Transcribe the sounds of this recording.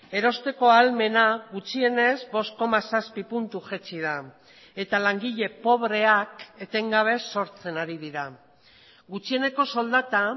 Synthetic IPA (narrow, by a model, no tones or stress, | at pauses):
e̞ɾo̞st̪e̞ko̞alme̞naɣut͡ʃie̞ne̞zbo̞sko̞masaspipunt̪uʝet͡siða | e̞t̪alaŋɡiʎe̞po̞βɾe̞ake̞t̪e̞ŋɡaβ̞e̞so̞ɾt͡se̞naɾiðiɾa | ɡut͡ʃiene̞ko̞so̞ld̪at̪a